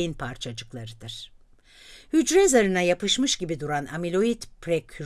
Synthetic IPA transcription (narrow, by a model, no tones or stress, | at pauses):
inpʰaɾt͡ʃʰad͡ʒɯklˠaɾɯd̪ɯɾ̥ | hyd͡ʒɾɛzaɾɯnajapɯʃmɯʃɟibid̪uɾana̰milʲo̞it̪pʰɾekʰy